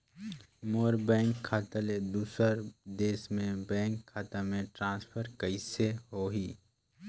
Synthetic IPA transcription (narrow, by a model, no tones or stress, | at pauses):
moːɾbɛ̃ːŋkʰːaːt̪aled̪uːsəɾd̪eːsmẽbɛ̃ːŋkʰːaːt̪amẽʈɾãːnspʰəɾkəɪseɦoɦiː